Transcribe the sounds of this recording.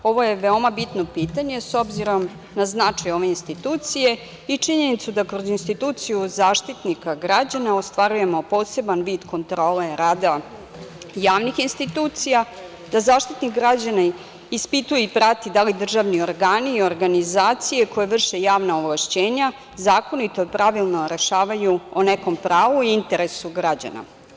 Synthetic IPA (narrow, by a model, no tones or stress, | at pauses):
o̞ʋo̞je̞ʋeo̞mabit̪no̞piːt̪aɲe̞so̞bziɾom | naznat͡ʂajo̞ʋe̞inst̪it̪uːt̪sije | it͡ʂiɲe̞nit̪sud̪akɾo̞zinst̪it̪uːt̪sijuzaːʃt̪it̪nikaɡɾad͡ʑanaost̪ʋaɾuje̞mo̞po̞ːse̞banʋiːd̪ko̞nt̪ɾo̞ːleɾaːd̪a | jaːʋnixinst̪it̪uːt̪sija | d̪̥azaːʃt̪it̪nikɡɾad͡ʑana | ispit̪ujeipɾat̪id̪alid̪r̩ʒaʋnio̞ɾɡaːniːo̞ɾɡanizaːt̪sije̞ko̞jeʋr̩ʃejaːʋnaoʋlaʃt͡ɕe̞ːɲa | zaːko̞nit̪opɾaʋilˠno̞ɾe̞ʃaːʋajuoneko̞mpɾaːʋuiint̪e̞ɾesuɡɾad͡ʑa̰na̰